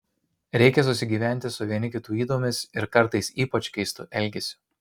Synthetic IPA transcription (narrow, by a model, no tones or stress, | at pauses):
ɾʲɛɪkʲɛs̬ʊsʲɪɡʲiːʋʲæˑnʲt̪ʲɪsʊʋʲiɛnʲɪkʲɪt̪uːiːd̪oːmʲɪsɪɾkɐɾˑt̪ɐɪsiːpɐt͡ʃʲkʲɛɪst̪ʊʔɛlʲɡʲɛsʲʊ̥